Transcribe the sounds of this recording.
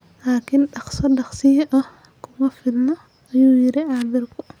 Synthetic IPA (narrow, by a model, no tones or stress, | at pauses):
laːkʰɪnɖɑχsɔɗɑχsɪʔɐh | kʰʊmɐfɪd̪nɐ | ɐjuːjɪɾɪʕɑːmɪrkʰʊ